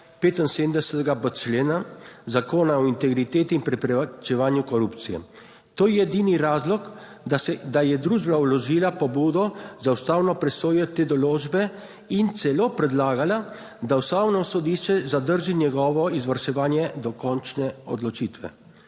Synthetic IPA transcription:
peːt̪ɔnsed̪md̪ɛsɛt̪ɛɡabət͡ʃleːnazakoːnaɔint̪ɛɡɾit̪eːt̪iːnpɾɛpɛat͡ʃɛʋaːnjukɔɾupt̪sijɛ̰ | t̪oːjɛɛd̪iniɾaːzlɔk | d̪ajɛd̪ɾuːʒbnaulɔʒiːlapɔbuːd̪ɔzawst̪aːwnɔpɾɛsoːjɔt̪eːd̪ɔloːʒbɛ | int̪sɛloːpɾɛd̪laːɡala | d̪awst̪awnɔsɔd̪iʃt͡ʃɛzad̪əɾʒinʲɛɡɔːʋɔizʋaɾʃɛʋaːnjɛd̪ɔkɔnt͡ʃnɛɔ̰d̪lɔt͡ʃiːt̪ʋɛ̰

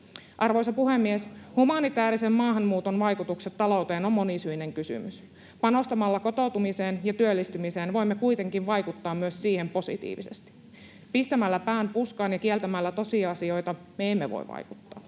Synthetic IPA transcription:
ʔɑrʋojsɑpuhemːieshumɑnit̪æːɾisemːɑːɦɑnmuːt̪onʋɑjkut̪ukset̪ːɑlo̞wt̪eːno̞mːo̞nisyineŋkysy̰mys | pɑno̞st̪ɑmɑlːɑko̞t̪oˑut̪umiseːnjɑt̪yølːist̪ymiseːnʋo̞imːekuit̪e̞ŋkiʋʋɑjkut̪ːɑːmmyøssiːhempo̞sḭt̪ḭːʋḭsḛst̪i̥ | pist̪æmælːæpæːnpuskɑːnjɑkielt̪æmælːæt̪o̞siɑɑsio̞jt̪ɑ | meemːeʋo̰ḭʋʋɑ̰jkut̪ːɑː

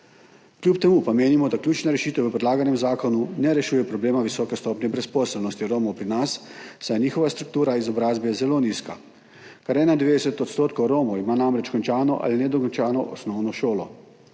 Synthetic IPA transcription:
klʲjup̚t̪ɛmupameːnimɔd̪akljuːt͡ʃnaɾɛʃiːt̪ɛwʋəpɾɛd̪laːɡanɛmzaːkɔnunɛɾɛʃuːjɛpɾɔbleːmaʋisɔːkɛst̪ɔːpnʲɛbɾɛspɔːsɛlnɔst̪iɾoːmɔwpɾinasːajniːxɔʋast̪ɾuk̚t̪uːɾaizɔbɾaːzbɛzɛloniːska | kaɾɛːnad̪ʋeːd̪ɛsɛt̪ɔt̪st̪oːt̪̚kɔwɾoːmɔimaːnamɾɛt͡ʃkɔnt͡ʃaːnɔʔa̰linɛd̪ɔkɔnt͡ʃaːnɔʔɔ̰snɔwnɔʃoːlɔ

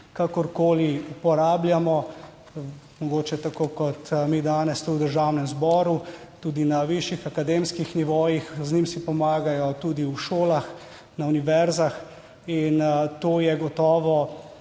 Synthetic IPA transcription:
kakɔɾkoːliupɔɾaːbljamɔ | mɔɡoːt͡ʃɛt̪akoːkɔt̪mid̪aːnɛst̪uwd̪əɾʒawnɛmzbɔːɾu | t̪ud̪inaʋiʃjixakad̪emskixniʋojixznimsipɔmaːɡajɔt̪ud̪iwʃoːlax | nauniʋɛɾzax | int̪oːjɛɡɔt̪ɔːʋɔ

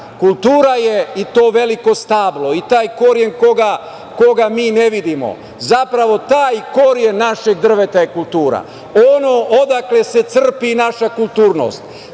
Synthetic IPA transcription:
kulˠt̪uːɾajeit̪o̞ːʋe̞liko̞st̪aːblo̞it̪aːjko̞ɾje̞nko̞ɡa | ko̞ɡamiːne̞ʋid̪imo̰ | zapɾaʋo̞t̪aːjko̞ɾje̞nːaʃeɡ̚d̪r̩ʋe̞t̪ajekulˠt̪uːɾa̰ | onoʔod̪akle̞se̞t̪sr̩pinaʃakulˠt̪uːɾno̞̰ːst̪

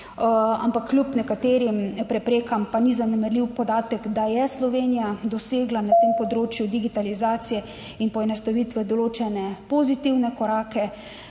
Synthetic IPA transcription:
a̰mpakːlʲjupnɛkat̪eːɾimpɾɛpɾeːkampanizanɛmɛɾliwpɔd̪aːt̪ɛkd̪ajɛslɔʋenijad̪ɔseːɡlanat̪eːmpɔd̪ɾoːt͡ʃjud̪iɡit̪alizaːt̪sijɛ | inpɔɛnɛst̪aʋit̪ʋɛd̪ɔloːt͡ʃɛnɛpɔzit̪iwnɛkɔɾaːkɛ

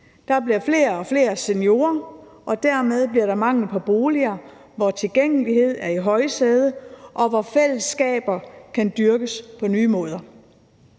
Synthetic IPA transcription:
d̥ɑ̈b̥liɐfle̝ːɐɒ̽fle̝̰ːɐse̝njo̝̰ːɐ | ʔɒ̽d̥æɐ̰með̞ˠb̥liɐɾɑ̈mɑ̈ŋ̰l̩pʰɒ̽b̥o̝ːliɐ | ʋɒt͡sʰe̝lɡ̥eŋ̰liɦe̝ð̞̰ˠæɐiɦɒ̽ɪseːð̞ˠəʔɒ̽ʋɒfel̰əsːɡ̥ɛ̰ːb̥ɐkʰænd̥yɐɡ̥əspʰɒ̽nyːmɔ̽ːð̞ˠɐ

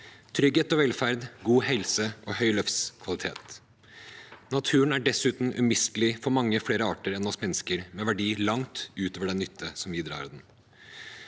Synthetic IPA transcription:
t̪ʰɾʏɡeːt̪ɔʋɛlfæɾd̪ɡuːhɛlsəʔɔhœʏlœfskʰʋɑlɪt̪ʰḛːt̪ | nɑt̪ʰʉːənæɖɛsʉːt̪n̩ʔʉ̰mɪst̪əlɪfɔɾmɑŋːəfleːɾəɑːʈəɾɛnɔsmɛnːəskəɾmɛːʋæɖiːlɑŋt̪ʉːt̪oːʋəɖɛnːʏt̪ʰːəsɔmʋiːd̪ɾɑ̰ːɾd̪ɛn

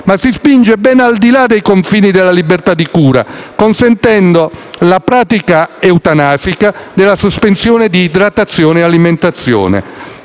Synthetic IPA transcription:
masispind͡ʒebɛnald̪ilad̪ejkoɱfiːnid̪elːalibert̪ad̪ːikuːɾa̰konsɛnt̪ɛnd̪olapɾaːt̪ikaɛwt̪anaːfikad̪elːasospensjɔːned̪iːd̪ɾat̪ːat̪sːjɔːneɛaliment̪at̪sːjɔ̰ːnɛ̰

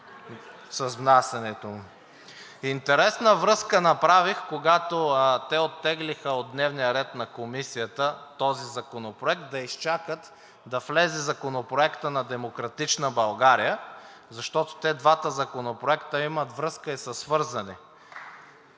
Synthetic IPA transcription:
sɐzvnasɛnɛt̪omʊ | int̪ɛɾɛsnəvɾɤskənɐpɾavixkoɡat̪ot̪ɛot̪ːɛɡlixəod̪nɛvnijəɾɛt̪nɐkomisijət̪ət̪ɔzizɐkonopɾoɛk̚t̪̚d̪ɐist͡ʃakət̪ | d̪ɐflɛzɛzɐkonopɾoɛkt̪ənɐd̪ɛmokɾɐt̪it͡ʃnəbɐlˠɡaɾijə | zɐʃt̪ɔt̪o̥t̪ɛd̪vat̪əzɐkonopɾoɛkt̪əimɐt̪vɾɤskəisɐsːvɤɾzɐni

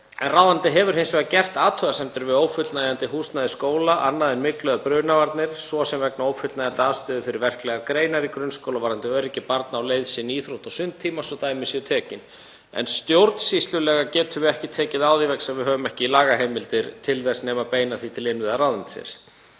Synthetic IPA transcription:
ɛ̰nrawðant̪ɪɦɛvʏɾ̥hejnsvɛɣðacɛr̥t̪aːt̪ʰœɣasɛmt̪ʏɾvɪðowfʏt̪lnaɛjant̪ɪɦuːst̪naðɪskoːwlaʔanːaðɪnmɪklœðapɾœːnavaɾt̪nɪɾ̥sɔsɛmvɛknaoːwfʏt̪lnajant̪ɪaːðst̪ʏðʏfɪɾɪɾvɛr̥klɛɣaɾkɾeːjnaɾikɾʏnskowlavaɾant̪ɪœɾɪcːɪpaɾt̪naːwlejðsɪniːθɾowht̪ɔsʏnt̪ʰːiːmasɔt̪aːjmɪsiʏt̪ʰɛːcɪn | ɛ̰nst̪jowɾt̪n̥sist̪lʏlɛːɣacɛːt̪ʰʏvɛhcɪt̪ʰɛːcɪðaːwðivɛksɛvɪðɦœːvʏmɛhcɪilaːɣaɦemɪlt̪ɪɾt̪ʰɪlθɛsnɛːmapeːjnaθit̪ʰɪlɪnvɪðaɾaːwðant̪ɪ̥sɛ̰s

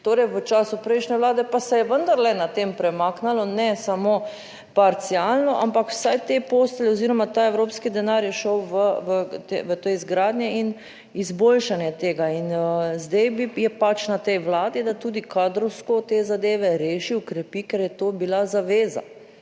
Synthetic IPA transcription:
t̪oːɾɛjʋət͡ʃaːsupɾɛjʃnɛʋlaːd̪ɛpasɛjɛʋənd̪aɾlɛnat̪empɾɛmaːknalɔnɛsamo | paɾt̪sialnɔʔampakw̥sajt̪epoːst̪lɛoziɾɔmat̪aɛwɾoːpskid̪ɛnaɾjɛʃɔwʋəʋət̪eʋət̪ojzɡɾaːd̪njɛin | izbolʃanjɛt̪eːɡainəzd̪ɛjbijɛpat͡ʃnat̪ɛjʋlaːd̪id̪at̪uːd̪ikaːd̪ɾɔwskot̪eːzad̪eːʋɛɾeːʃiɔkɾɛpikɛɾjɛt̪oːbilazaʋeːza̰

